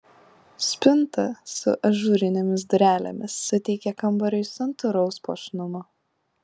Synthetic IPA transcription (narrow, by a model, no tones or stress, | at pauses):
sʲpʲɪnˑt̪ɐsʊ̰ʔɐʒuːɾʲɪnʲɛmʲɪs̬d̪ʊɾʲæːlʲɛ̰mʲɪsːʊt̪ʲɛɪkʲɛkɐmbɐɾʲɛɪsʲɐnt̪ʊɾɐʊspo̰ʃnʊmoː